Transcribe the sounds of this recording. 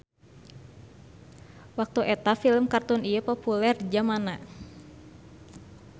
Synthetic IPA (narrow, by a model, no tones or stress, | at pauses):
wak̚t̪uʔɛt̪afiləmkart̪unijəpɔpulɛrd͡ʒamana